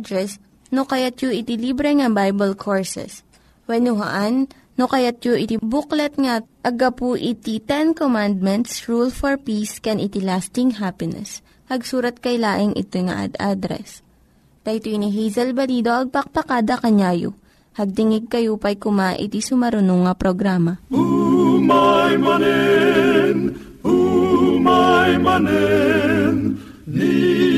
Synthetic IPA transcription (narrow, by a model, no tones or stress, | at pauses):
d̪ɾɛs | nokɐjat̪̚joʔɪt̪ilibɾɛŋɐbajbɐlkʰoɹsɛ̰s | wɛnʊɦa̰ʔanː | okɐjat̪̚joʔɪt̪ibʊklɐt̪̚ŋaʔɐɡɐpuʔɪt̪it̪ɛnkomand̪̚mɛnt̪sɹulfɔɹpiskɛnʔɪt̪ilast̪ɪŋɦapɪnɛ̰s | hɐɡsuːɾɐt̪̚kɐjlaːʔɪŋʔɪ̰t̪ojŋɐ̰ʔa̰d̪a̰d̪ɾɛ̰s | t̪ɐt̪ojniɦɛjzɐlbɐliːd̪oʔɐɡ̚pɐk̚pɐkad̪ɐkɐɲaːjo̰ | hɐɡ̚t̪ɪŋɪɡ̚kɐjupɐjkʊmaʔɪ̰t̪isʊmɐɾʊnoŋːɐpɾoɡɾaːmɐumajmɐnɛ | n | umajmɐnɛ | n | i